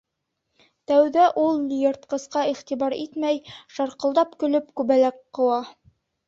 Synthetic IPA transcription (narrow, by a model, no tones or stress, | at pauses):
t̪æwðæʔulˠjɤ̆ɾt̪̚qɤ̆sqɑiχt̪ibɑɾit̪mæjʃɑɾqɤ̆lˠd̪ɑpkɵ̆lɵpkʉβælæqqːɤ̆wɑ